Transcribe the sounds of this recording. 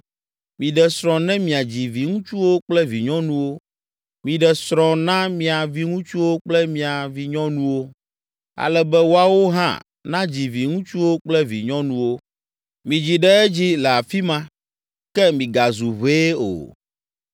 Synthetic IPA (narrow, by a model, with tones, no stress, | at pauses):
mĩ˨ɖɛ˨sɾɔ̃˨nɛ̃˦mĩ˨a˨d͡ʑi˨vi˨ŋũ˦t͡ʃu˦wo˦k͡plɛ˦vi˨ɲɔ̃˦nũ˦wo˦ | mĩ˨ɖɛ˨sɾɔ̃˨nã˦mĩ˦a˨vi˦ŋũ˦t͡ʃu˦wo˦k͡plɛ˦mĩ˨a˨vi˨ɲɔ̃˦nũ˦wo˦ | a̰˨lɛ˦bɛ˦wo˦a˨wo˦ɦã̰˦ | nã˦d͡ʑi˨vi˨ŋũ˦t͡ʃu˦wo˦k͡plɛ˦vi˨ɲɔ̃˦nũ˦wo˦ | mĩ˨d͡ʑi˨ɖɛ˦ɛ˦d͡ʑi˦lɛ˨a˨fi˦mã˦ | kɛ˦mĩ˨ɡa˨zu˨βe˦o̰˨